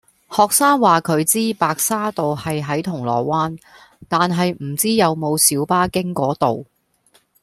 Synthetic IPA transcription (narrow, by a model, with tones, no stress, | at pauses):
hɔː˨k̚saː˥ŋwaː˨kʰɵ˨˧ɥt͡siː˥paː˨˧k̚saː˥t̪o˨whɐ˨jɦɐ˨˥jt̪ʰʊ˨˩ŋlɔ̰ː˨˩waː˥n | t̪aː˨nɦɐ˨jm̩˨˩t͡siː˥jɐ˨˧wmo˨˧wsiː˨˥wpaː˥kɪ˥ŋkɔː˨˥t̪o˨w